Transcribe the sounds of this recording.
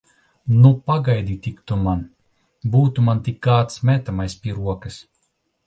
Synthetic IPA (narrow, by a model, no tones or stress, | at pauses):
nupaɡajd̪ʲit̪ʲikt̪uman | buːt̪umant̪ʲikːaːt̪smʲɛt̪amajspʲiɛɾuɔkɨs